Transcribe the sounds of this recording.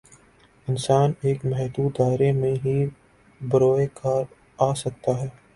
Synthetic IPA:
ɪnsaːneːkmɛɦd̪uːd̪aːɪɾemẽɦi | bɐɾoːekaːɾ | aːsɐk̚t̪aɦɛː

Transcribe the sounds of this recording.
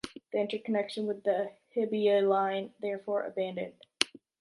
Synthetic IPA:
ðiɪ̃ntə˞kʰənɛkʃɨ̃nwɨðɨhɪbiolãɪ̃nðɛɹfɔɹʔə̰bæ̃ndɨ̰̃nd̥

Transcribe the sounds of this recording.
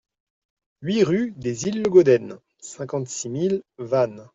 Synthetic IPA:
ɥiʁyd̪ezilːəɡod̪ɛn | sɛ̃kɑ̃t̪similvan

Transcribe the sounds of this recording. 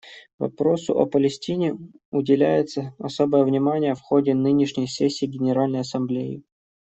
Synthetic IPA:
vɐ̰pɾo̞sʊ̰ʔɐ̰pəlʲɪsʲtʲinʲɪ | ʊdʲɪlʲæjɪt̪səɐso̞bəjəvnʲɪmanʲɪjəfxo̞dʲɪnɨnʲɪʂnʲəjsʲesʲːiːɡʲɪnʲɪɾalʲnəjɐsɐmblʲejɪ̰

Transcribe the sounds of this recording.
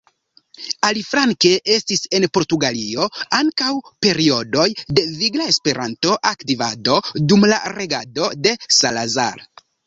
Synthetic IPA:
alifɾaŋke̞ʔe̞stise̞npo̞ɾtuɡalio̞aŋkawpe̞ɾio̞do̞jde̞viɡlae̞spe̞ɾanto̞ʔaktivado̞dumla̰ɾe̞ɡado̞de̞salaza̰ɾ

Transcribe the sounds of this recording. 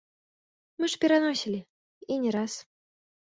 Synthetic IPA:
mɨʂpʲɛɾanɔsʲilʲi | inʲɛɾas

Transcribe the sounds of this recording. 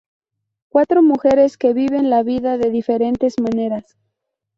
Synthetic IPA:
kwat̪ɾo̞muxe̞ɾe̞ske̞βiβe̞nlaβiðaðe̞ðife̞ɾe̞nt̪e̞zmane̞ɾas

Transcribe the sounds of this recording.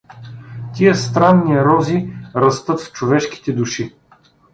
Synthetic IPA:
t̪ʲiəst̪ɾanːiɾɔziɾɐst̪ɤt̪ft͡ʃovɛʃki̥t̪ɛd̪uʃi

